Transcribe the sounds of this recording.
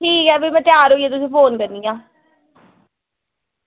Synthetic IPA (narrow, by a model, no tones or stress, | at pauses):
iːkɛːpiːmɛ̃ːt̪ɪaːɾɦoːiːeːt̪ʊsĩːpʰoːnkəɾnd̪ijãː